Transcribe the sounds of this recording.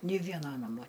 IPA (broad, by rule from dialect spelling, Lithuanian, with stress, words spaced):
ˈnʲɪ ˈʋʲiɛnɐ ˈnɑːmoː